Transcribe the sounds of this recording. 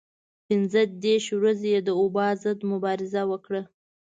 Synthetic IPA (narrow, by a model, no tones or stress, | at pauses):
pɪnzəd̪eɾʃwɾazejed̪əobɑzəd̪mʊbɑɾɪzawəkɽə